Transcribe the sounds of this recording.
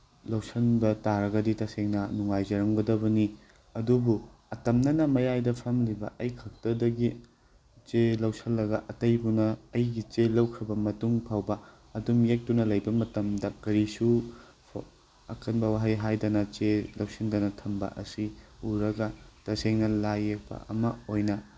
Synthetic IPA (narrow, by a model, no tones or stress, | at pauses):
lɐwsɐnbɐtaɾɐɡɐditɐseŋnɐnuŋajd͡ʒɐɾɐmɡɐdɐbɐni | ɐdubuɐtɐmnɐnɐmɐjajdɐpʰɐmlibɐ̰ʔɐjkʰɐk̚tɐdɐɡi | t͡ʃelɐwsɐlːɐɡɐʔɐtɐjbunɐːjɡit͡ʃelɐwkʰɾɐbɐmɐtuŋpʰawbɐ | ɐdumjek̚tunɐlɐjbɐmɐtɐmdɐkɐɾisu | pʰ | ɐkɐnbɐwaɦɐjɦajdɐnɐt͡ʃelɐwsindɐnɐtʰɐmbɐ̰ʔɐ̰siuɾɐɡɐtɐseŋnɐlajek̚pɐ̰ʔɐ̰mɐojnɐ